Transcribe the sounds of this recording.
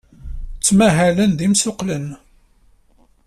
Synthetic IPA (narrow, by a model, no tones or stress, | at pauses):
t͡sːmæɦælənðimsʊqlən